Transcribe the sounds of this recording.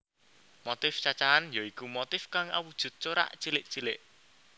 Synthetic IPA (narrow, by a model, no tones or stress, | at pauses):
mot̪ɪft͡ʃat͡ʃaanjoikumot̪ɪfkaŋa̰wud̥ʒ̥ṳt̪̚t͡ʃoɾa̰ʔt͡ʃilɪʔt͡ʃilɪʔ